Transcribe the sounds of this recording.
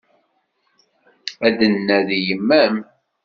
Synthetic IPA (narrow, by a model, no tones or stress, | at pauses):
æd̪ənːæðijəmːæm